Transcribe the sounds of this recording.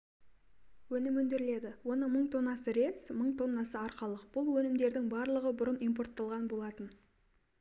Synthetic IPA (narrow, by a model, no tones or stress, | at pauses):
wɵnɪmɵnd̪ɪɾɪle̞d̪ɪwo̞nəməɴt̪ʰo̞nːɑsəɾe̞psməɴt̪ʰo̞nːɑsəɑɾqɑlˠəqb̥ʊlˠwɵnɪmd̪e̞ɾd̪ɪŋbɑɾlˠəʁəbʊɾənijmp̬o̞rt̪ːɑlˠʁɑnbo̞lˠɑt̪ən